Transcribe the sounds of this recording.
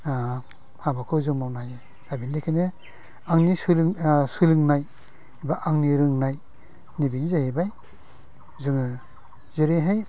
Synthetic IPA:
a | habakʰɯzɯŋmawnajɯ | abindekʰine | aŋnislsɯlɯŋnaj | baʔaŋniɾɯŋnaj | nibiŋzahebaj | zɯŋɯ | zeɾeɦaj

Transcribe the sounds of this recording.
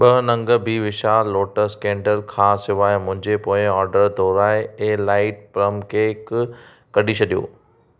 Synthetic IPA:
ɓɐɦnɐ̃ŋɡəbʱiʋɪʃaːoːʈəɾskɛ̃ːɳɖəlkʰãːsɪʋaːemʊ̃ɦɪ̃ɲd͡ʑepoːɪ̃ɔːɾɖəɾd̪ʱɔːɾaːeelaːɪʈ̚pɾəmkeːkː | ɐɖʱit͡ɕʰɐɗijo̰ː

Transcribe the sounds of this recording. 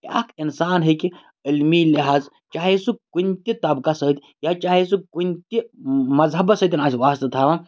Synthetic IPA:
kʲa̰kinsaːnɦeki | ilmiliɦaːz | t͡ʃaːɦesukunʲt̪it̪ɐbkasəit̪ʲ | jat͡ʃaːɦesɨkunʲt̪imɐzɦɐbɐsət̪ʲinaːsʲiʋaːst̪ɐt̪ʰaːʋa

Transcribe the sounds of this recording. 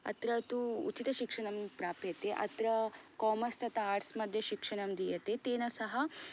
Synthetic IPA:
ɐ̰t̪ɾɐt̪uṵt͡ʃit̪ɐʃikʂɐɳɐmpɾaːpjɐt̪eʔɐ̰t̪ɾɐkɔːmɐst̪ʰɐt̪ɐaːɾsmɐd̪ʱjɐʃikʂɐɳɐmd̪ijɐt̪et̪eːnɐsɐɦɐ

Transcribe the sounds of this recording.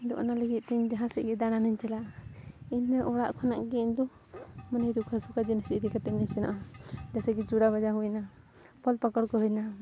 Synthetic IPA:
d̪ɔʔɔ̰naləɡit̪̚ˀt̪iɲd͡ʒaɦãsiʔɡɛd̪aɽ̃aniɲt͡ʃɛla | inːɛʔɔɽaʔkʰɔnaʔɡɛind̪ɔ | manajd̪ukʰasukad͡ʒinasiʔɾikaʈɛniɲsɛna̰ʔad͡ʒasɛɡɛd͡ʒuɽabad͡ʒaɦujna | pɔlpakɔɽkɔɦujna

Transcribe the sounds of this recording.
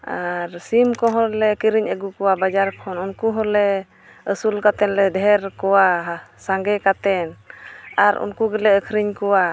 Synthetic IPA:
aɾsimkɔɦɔlɛkiɾiɲəɡukɔwabad͡ʒaɾkʰɔnunkuɦɔlɛ | əsulkat̪ɛnlɛdɛɦɛɾkɔwasaŋɡɛkat̪ɛnaɾṵnkuɡɛlɛəkʰɾiɲkɔwa

